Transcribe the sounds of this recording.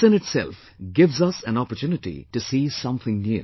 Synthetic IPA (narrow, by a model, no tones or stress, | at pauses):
ɨ̃nɨtsɛ̰lf | ɡɪʋzʌsæ̃nɔpəɾtjuːnɨʈḭʈɨsiːsʌ̃mθɪ̃ŋnju